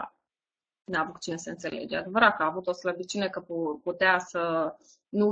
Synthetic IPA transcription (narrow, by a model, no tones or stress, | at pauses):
a̰ | neavut̪̚t͡ʃine̞seɨnt̪se̞lḛd͡ʒea̰d̪e̞vəɾat̪̚kəaːvut̪o̞sləbit͡ʃinekəpuput̪easə | nu